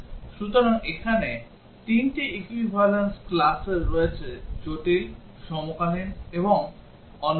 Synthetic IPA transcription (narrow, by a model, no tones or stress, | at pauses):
ʃut̪oɾaŋekʰane | t̪inʈiʔekwibʱalensklaseɾːoet͡ɕʰed͡ʑoʈil | ʃɔmokalineboŋ | ɔn